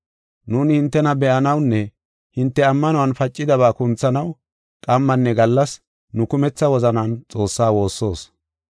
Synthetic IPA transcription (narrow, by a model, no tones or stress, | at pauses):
nuːnhɪnt̪ːɛnɐbɛʔɐnɐwnːɛ | hɪnt̪ːɛɐmːɐnʊwɐnfɐt͡ʃʼːɪd̪ɐβaːkʊnt͡sːɐnɐw | kʼɐmːɐnːɛɡɐlːɐs | nʊkʊmɛt͡sːɐwɔzɐnaːnt͡sʼo̞ːsːaːwo̞ːsːo̞ːs